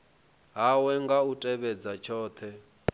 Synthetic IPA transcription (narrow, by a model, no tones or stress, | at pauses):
ɦawɛŋɡautʼɛβɛd͡zat͡ʃʰɔːt̪ʰɛ